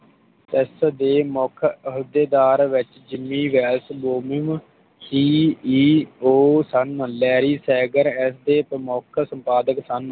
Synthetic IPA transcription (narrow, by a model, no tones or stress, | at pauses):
ɪsd̪eːmɔːkʰɦʊd̪eːd̪aːɾʋɪt͡ʃd͡ʒɪmːiːʋɛːlsboːmɪm | siːiːoːsənlɛːɾiːsɛːɡəɾɛsd̪eːpəmokʰsəmpaːd̪əksən